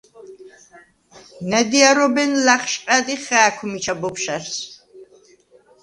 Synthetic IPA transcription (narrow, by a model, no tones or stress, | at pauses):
nɛd̪iaɾɔbɛnlaχʃqʼad̪iχɛːkʷʰmit͡ʃʰabɔpʃaɾs